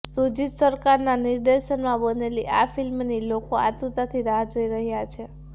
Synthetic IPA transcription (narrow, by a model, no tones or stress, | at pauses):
sud͡ʒit̪səɾkaɾnaniɾd̪eʃənmãbəneliʔafilmnilokoa̰t̪ut̪at̪ʰiɾaɦad͡ʒoiɾəɦjat͡ʃʰe